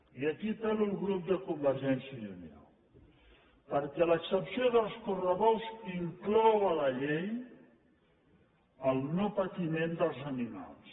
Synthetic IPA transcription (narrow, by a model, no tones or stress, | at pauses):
iəkit̪elulɣɾup̚d̪əkumbəɾʒɛnsjəlunḭa̰l | pəɾkɛləksəpsioðəlˠskurəβɔwziŋklɔwələʎej | əlˠnopət̪imẽnd̪əlˠzənima̰lˠs